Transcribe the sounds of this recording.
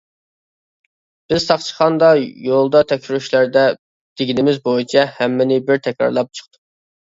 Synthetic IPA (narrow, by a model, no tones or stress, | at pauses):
b̥ɪz̥sɑχt͡ʃʰə̥χɑnd̪ɑjolˠd̪ɑt̪ʰɛkʲʃyɾyʃlæɾd̪ɛ | d̪̥eɡʲinɪmɪzbojit͡ʃʰɛhæmːɪnɪbɪɾt̪ʰɛkʲɾɑ̰ɾlˠɑp̚t͡ʃʰə̥χt̪ʰu̥